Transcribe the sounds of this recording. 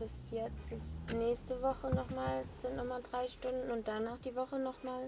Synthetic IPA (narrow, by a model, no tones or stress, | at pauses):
b̥ɪsjɛt͡stɪsnɛːçstəvɔχənɔχmaːlz̥ɪntnɔχmaːdʁaɪʃtʊndn̩ʊnt̚d̥anːaːχd̥iːvɔχənɔχmaːl